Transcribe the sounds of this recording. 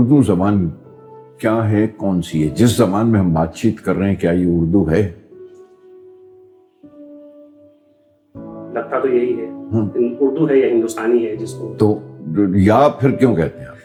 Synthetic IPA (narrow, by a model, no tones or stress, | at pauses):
ʊɾd̪uzɐbaːn | kjaːɦɛkɔːnsiɦɛd͡ʒɪszɐbaːnmẽɦɐmbaːt̪̚t͡ʃiːt̪kɐɾːɐɦeɛ̃kjaːjeʊɾd̪uɦɛː | lɐɡ̚t̪at̪ojɐɦiɦɛːɦãːɪnʊɾd̪uɦɛjaɦɪ̃nd̪ʊst̪aːniɦɛd͡ʒɪskot̪oːjaːpʰɪɾkjõkɛɦt̪eɦɛ̃aːp